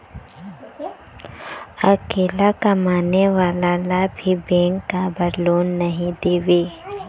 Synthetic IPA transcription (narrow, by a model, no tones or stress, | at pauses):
ɐkeːlakamaːneʋaːlalabʱibẽːŋkːabɐɾloːnːɐɦĩd̪eːʋeː